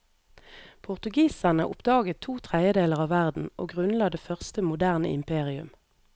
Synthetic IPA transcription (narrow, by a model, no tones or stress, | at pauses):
pʰʊʁt̪ʉɡiːsənə̰ʔʊ̰pd̪ɑːɡət̪ʰːuːt̪ʰʁɛdəd̪eːləʁɑːʋæʁd̪n̩ʔo̰ːɡʁʉnlɑd̪eːfœʁst̪əmʊd̪æʁnə̰ɪ̰mpʰeːʁɪʉ̰m